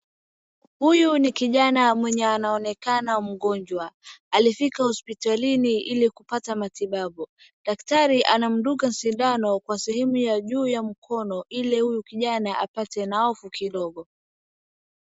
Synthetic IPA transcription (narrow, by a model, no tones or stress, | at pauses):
hujunikiʄanamwɛɲɛanaɔnɛkanam̩ɠɔɲd͡ʒwaalifikahɔspitaliniʔilikupatamatiɓaɓu | ɗaktaɾiʔanam̩ɗukam̩sindanɔkwasɛhɛmujaʄuːjam̩kʰɔnɔʔilɛhujukiʄanaʔapatɛnaɔfukiɗɔɠɔ